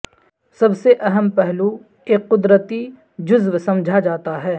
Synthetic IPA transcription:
sɐbseʔɐɦəmpɛɦlu | eːkːʊd̪ɾət̪i | d͡ʒʊzʋsɐ̃md͡ʒʱad͡ʒaːt̪aɦɛː

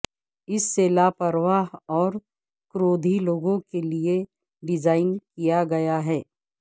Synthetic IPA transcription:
ɪsːeːlapɐɾʋaːɦɔːɾ | kɾoːd̪ʱiloːɡõkelie | ɖɪd͡ʒaːɪnkijaɡɐjaɦɛː

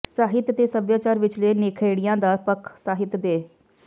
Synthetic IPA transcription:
saːɦɪt̪t̪eːsəbjaːt͡ʃaːɾʋɪt͡ʃleːneːkʰeːɽijãːd̪aːpəkʰsaːɦɪt̪d̪eː

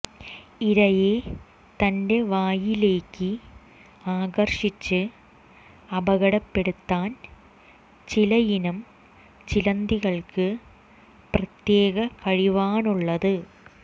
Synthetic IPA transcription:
iɾɐje | t̪ɐnde̞ʋaːjile̞ːkːɨ | aːɡɐrʂit͡ɕːɨ | ɐbɐɣɐɽɐpːe̞ɽut̪ːaːn | t͡ɕilɐjinɐm | t͡ɕilɐnd̪iɣɐɭkɨ | prɐt̪je̞ːɣɐkɐɻiʋaːnuɭːɐðɨ

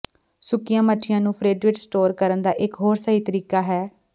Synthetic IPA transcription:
sʊkɪjãːməʈʰːɪjãːnũːpʰɾeːɖɾɪɖsʈoːɾkəɾənd̪aːʔɪkɦoːɾsaːɦiːt̪əɾiːkaːɦɛː

